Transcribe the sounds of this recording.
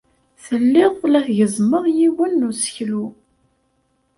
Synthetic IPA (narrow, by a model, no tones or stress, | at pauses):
θəlːɪʁlæθʝəzˤməðˤjiwənːusə̥çlu